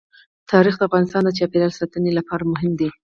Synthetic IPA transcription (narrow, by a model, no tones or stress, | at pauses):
t̪ʰɑɾixd̪əafɣɑnɪst̪ɑnd̪ət͡ʃɑpeləlsat̪ənelapɑɾamʊɦɪmd̪i